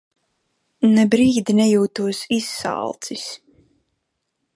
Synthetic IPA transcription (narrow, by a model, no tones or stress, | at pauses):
nɛbɾiːd̪inɛjuːt̪uɔsisːa̰lˠt̪sis